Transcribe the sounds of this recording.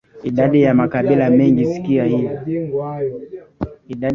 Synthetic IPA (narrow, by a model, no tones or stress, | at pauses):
iɗaɗijamakaɓilamɛŋɡisi̥kiahiva | iɗa